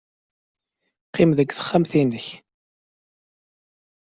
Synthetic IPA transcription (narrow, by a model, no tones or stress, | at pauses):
qːɪmðəɡʷːθə̥χːæmθinəç